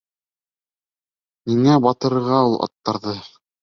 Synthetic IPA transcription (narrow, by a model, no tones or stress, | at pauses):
niŋæbɑt̪ɤ̆ɾɤ̆ɾʁɑulˠɑ̰t̪ːɑɾðɤ